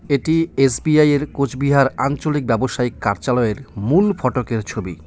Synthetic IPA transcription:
eʈiesbiajeɾkod͡ʑʰbiɦaɾant͡ɕolik̚bɛboʃaikːaɾt͡ɕalɔeɾmulfɔʈokeɾt͡ɕʰobi

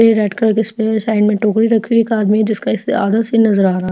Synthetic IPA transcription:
eɾɛːʈkɾakɪspesaːɪɳɖmẽʈoːkɾiɾɐkʰieːkaːd̪miɦɛd͡ʒɪskaɪsa̰ːd̪asnɐzəɾaːɾɐɦa

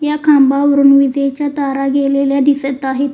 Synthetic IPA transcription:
jakʰãmbaʋəɾunʋid͡zet͡ɕat̪aɾaɡeleljaɖisət̪aɦet̪

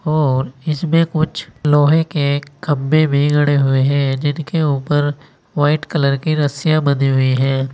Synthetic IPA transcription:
ɔːɾɪsmẽkʊt͡ʃʰlɔːɦekekɐbːebʱiɡʱɐɽeɦʊeɦɛ̃ːd͡ʒɪnkeuːpəɾ | ʋaːɪʈkələɾkiɾɐsijabɐd̪iɦʊiɦɛ̃ː

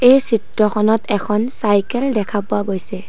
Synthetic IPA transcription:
ejsitɹɔxɔnɔtɛkʰɔnsajkɛldɛkʰapʊaɡojsɛ

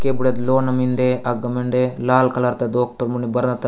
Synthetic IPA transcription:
kebuɽet̪loːnɐmind̪eɐɡɐmeɳɖelaːlkɐlɐɾt̪ed̪oːk̚ʈɐɾmuɳibɐɾɐnɐt̪ːɐ

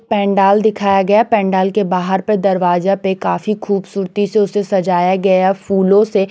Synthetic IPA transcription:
pɛ̃ːɳɖaːld̪ɪkʰaːjaɡɐjapɛ̃ːɳɖaːlkebaːɦəɾpəd̪ɐɾʋaːzapekaːfixʰuːbsuːɾt̪iseʊsesɐd͡ʒaːjaɡɐjafuːlõse

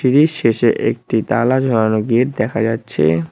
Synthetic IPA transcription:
iɾiʃeʃeʔek̚ʈit̪alad͡ʑʱɔanoɡeʈ̚d̪ɛkʰad͡ʑatːɕʰḛ

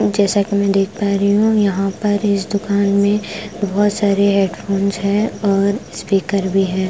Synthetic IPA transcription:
d͡ʒɛːsakimɛ̃d̪eːkʰpaːɾiɦũjɐɦãpɐɾɪsd̪ʊkaːnmẽbɔɦʊt̪saːɾeɦeːɖpʰoːnzɦɛɔːɾspiːkəɾbʱiɦɛː

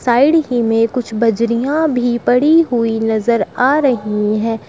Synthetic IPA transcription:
saːɪɖɦimẽkʊt͡ʃʰbɐd͡ʒɾijãbʱipɐɽiɦʊinɐzəɾaːɾɐɦiɦɛ̃ː

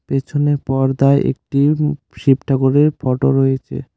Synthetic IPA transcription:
pet͡ɕʰoneɾpɔɾd̪aeʔḛk̚ʈi | ʃipʈʰakoɾeɾfɔʈoɾojet͡ɕʰḛ

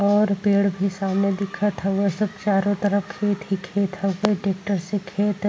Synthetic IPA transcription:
ɔːɾpeːɽbʱisaːmned̪ɪkʰət̪ʰəesɐbt͡ʃaːɾõt̪əɾəfkʰeːt̪ɦikʰeːt̪ɦəɡeʈeːk̚ʈəɾsekʰeːt̪

